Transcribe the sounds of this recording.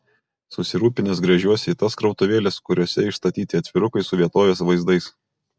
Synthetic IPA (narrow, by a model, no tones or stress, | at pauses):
sʊsʲɪɾuːpʲɪnʲɪs̬ɡɾɐʒʲuɔsʲɛit̪ɐskɾɒʊt̪ʊʋʲeːlʲɛskʊɾʲoːsʲɛɪʃst̪ɐt̪ʲiːt̪ʲɪɐt̪ʲʋʲɪɾʊkɐɪsʊʋʲiɛt̪oːʋʲeːsʋɐɪzd̪ɐɪs